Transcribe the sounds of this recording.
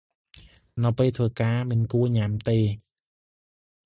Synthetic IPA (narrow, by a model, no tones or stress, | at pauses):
nɨwpeːlt̪ʰʋəːkaːmɨnkuəɲamt̪eː